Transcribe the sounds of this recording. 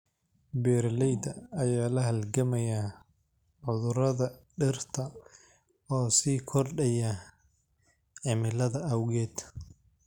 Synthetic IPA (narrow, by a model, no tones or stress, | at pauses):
bɛɾlɛjd̪ɐɐjaːlɐɦɐlɡɐmɐja | ʕʊðʊɾɐðɐɖɪrt̪ʰɐ | ɔːsiːkʰɔrɖɐjɐ | ʕɪmɪlɐðɐʔɐwɣɛːd̪̥